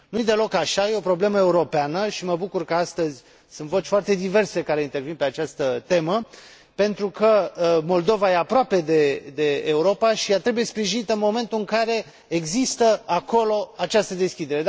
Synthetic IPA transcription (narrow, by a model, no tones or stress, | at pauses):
nujed̪e̞lo̞kaʃajeo̞pɾo̞ble̞məe̞uɾo̞peanəʃiməbukurkəast̪əzʲ | sunt̪vo̞t͡ʃʲfoart̪e̞d̪ive̞rse̞kaɾe̞int̪e̞rvinpe̞at͡ʃast̪ət̪e̞mə | pe̞nt̪ɾukəmo̞ld̪o̞vaje̞apɾoape̞d̪e̞d̪e̞ːuɾo̞paʃijat̪ɾe̞buje̞spɾiʒinit̪əɨnmo̞me̞nt̪uɨŋkaɾe̞ | eɡzist̪əako̞lo̞at͡ʃast̪əd̪e̞skʲid̪e̞ɾe̞